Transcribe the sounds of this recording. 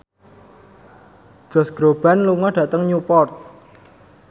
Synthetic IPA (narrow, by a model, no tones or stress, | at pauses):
d̥ʒ̥ɔ̤sɡ̥ɾob̥a̤nluŋɔɖ̥ä̤t̪əŋɲupɔrt̪̚